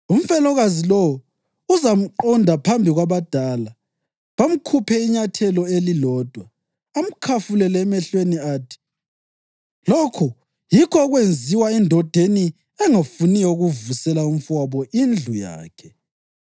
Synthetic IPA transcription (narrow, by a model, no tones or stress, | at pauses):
um̩fɛlɔɣazilɔ | uzam̩ǃɔndʱapʰambʱiɣwaβad̥ʱala | βam̩kʰupʰɛiɲatʰɛlɔelilɔːd̥ʱwaː | m̩kʰafulɛlɛːmɛɬweniaːtʰi̥ | lɔkʰɔ | jikʰɔːɣwend͡zʱiwaɛndʱɔd̥ʱeni | ɛŋafunijɔuɣuvusɛlaum̩faβɔʔind͡ɮʱuja̰ːkʰɛ